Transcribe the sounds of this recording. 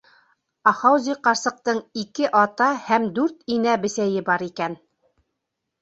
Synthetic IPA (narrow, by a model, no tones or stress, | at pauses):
ɑχɑwzʲiqɑɾsɤ̆q̚t̪ɤɴikɘʔɑt̪ɑhæmd̪ʉɾt̪inæbɘ̆sæjɘbɑɾikæn